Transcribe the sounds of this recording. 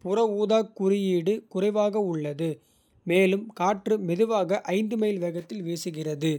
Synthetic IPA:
pʊrɐuːðaːkːʊrɪjiːɽɯkʊrɐʋaːɣɐʊɭːɐðɯ | meːlɯmkaːʈrɯmɛðɯʋaːɣɐʔɐɪnd̪ɯmɐjlʋɐɣɐt̪ːɪlʋeːsɯɣɪrɐðɯ

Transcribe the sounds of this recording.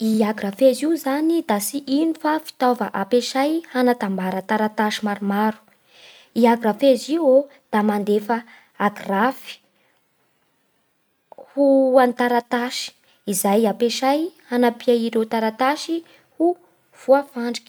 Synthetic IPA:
iaɡrafeziuzanid̪asiʔinifafi̥t̪ovəʔapeʃajhanat̪ambaɾət̪aɾat̪aʃimaɾumaɾu̥ | iaɡɾafeziwo | d̪̥amand̪efə | aɡrafi̥ | huant̪aɾat̪aʃi̥ | izajapeʃajhanapiaiɾewt̪aɾat̪aʃi | hu | v̥uafaɳɖ͡ʐi̥kʲi̥

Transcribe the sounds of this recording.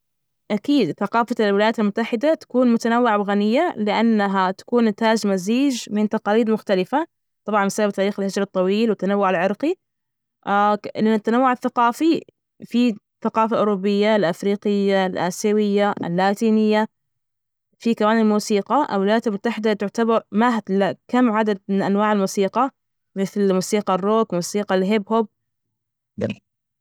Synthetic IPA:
ʔakiːd̪θaqɑːfalwɪlajaːt̪almʊt̪ːaħɪd̪at̪ḁkuːnmʊt̪anawːɪʕabɣanɪjːalɪʔanːaɦat̪ḁkuːnːɪt̪aːd͡ʒmaziːd͡ʒmɪnt̪ɑqɑːliːd̪mʊxt̪alɪfa | t̪ˤɑbʕɑnmsabab̚t̪aːɾiːxalhɪd͡ʒɾˤɑt̪ˤːɑwiːlwɪt̪ːanawːʊʕalʕɪɾˤqi | ɪʔɪnːʊt̪ːanawːʊʕaθaqɑːfi | fi | θaqɑːfalʔʊɾubːɪjːalʔafɾiːqɪjːalʔa̰ːsawɪjːaʔɪ̰lːaːt̪iːnɪjːa | fikamaːnalmuːsiːqɑʔa̰lwɪlajːat̪almʊt̪ːaħɪd̪at̪ʊʕt̪abɑɾˤmaɦat̪lakamːʕad̪ad̪̚mɪnʔanwaːʕɪlmuːsiːqɑ | mɪθlmuːsiːqɑrːoːkmuːsiːqɑlɦɪbhʊb̚

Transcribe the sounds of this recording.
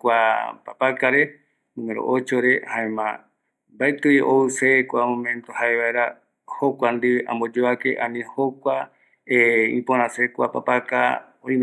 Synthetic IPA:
kʷapapakaɾe̞ | nũŋeɾo̰ʔot͡ʃoɾe̞haẽmã̰ | mbaet̪ɨjʔoɨsekʷamõmẽ̞nt̪ohaeβaeɾa | hokʷand̪iʔã̰mbod͡ʒoakḛʔãnĩhokʷa | eḭ̃põɾ̃ãsekʷapapaka̰ | õĩm

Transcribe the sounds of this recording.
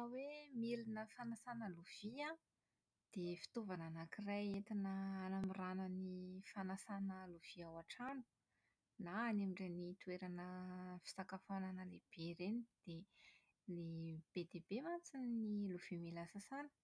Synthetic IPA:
awemilinəfanasanəluv̥ia | d̪̥efi̥t̪ovananakirajet̪inəːnamiranənifanasanəluv̥iawaʈ͡ʂanu̥ | naːnemiɳɖ͡ʐenit̪uweɾanəfi̥sakafananəleb̥eɾenid̪̥e | leb̥ed̪ebemat͡siniluv̥imilasasanə̥

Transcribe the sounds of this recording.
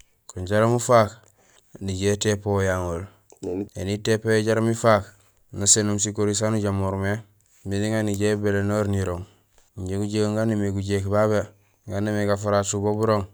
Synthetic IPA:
kuɲɟaɾamufaːk | niɟetepojaŋol | enitepojeɟaɾamifaːk | nasenumsikoɾis̬anuɟamoɾme | midiŋaniɟebelenoɾniɾoŋ | iɲɟeɡuɟekŋɡanːimiɡuɟekbaβe | ŋɡanimiɡafaɾasubobuɾoŋ

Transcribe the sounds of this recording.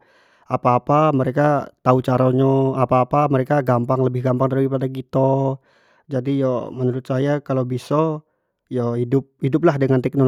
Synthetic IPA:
apaːpaməɾekat̪aut͡ʃaɾoɲɔapaːpaməɾekaɡampaŋləbɪhɡampaŋdaɾuipadakit̪o | d͡ʒadijɔmənuɾʊt̪sajakalobisɔ | jɔhidʊp̚hidʊp̬lahdəŋant̪ɛk̚nol

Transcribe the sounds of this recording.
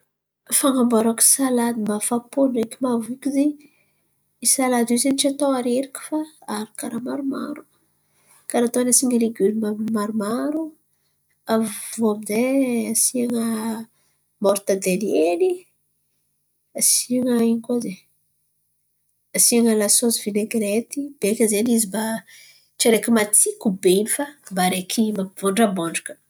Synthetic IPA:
faŋambaɾaki̥salad̪imafapunekimavikʲizi | isalad̪izenit͡ʃat̪oaɾeɾikʲi̥faaɾikaɾamaɾuma̰ɾu̥ | kaɾat̪oanasiŋəleɡulmamaɾumaɾu | avoamizeasiaŋə | moɾt̪ad̪elieni | asiaŋəiɲikoze | asiaŋəlasozvineɡɾet̪ib̥ekʲəzenizimba | ʈ͡ʂeɾekimat͡sikubeinifambaɾekʰimavoɳɖ͡ʐaboɳɖ͡ʐakə̥

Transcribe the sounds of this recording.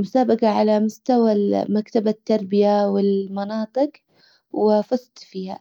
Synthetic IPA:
mʊsaːbaqaʕalamʊst̪awamakt̪abat̪ːɑɾˤbɪjawɪlmɑnɑːt̪ˤɨq | wɪfɑsˤt̪ˤfiːha̰

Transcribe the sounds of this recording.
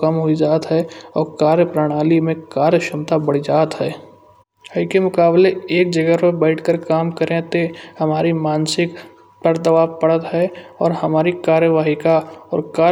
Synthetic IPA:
kəmɦoid͡ʒaːt̪ɦɛːɔːɾkaːɾjəpɾaːɽ̃aːlimẽkaːɾjəʃɪmt̪abɐɽ̤id͡ʒaːt̪ɦɛː | ɦəikemʊkaːbleeːk̚d͡ʒəɡəpebɛːɪʈʰkəɾkaːmkəɾẽt̪ehɐmaːɾimaːnsɪk | t̪əɾd̪əʋaːpəɽət̪ɦɛɔːɾhɐmaːɾikaːɾjəʋaːɦikaɔːɾkaː

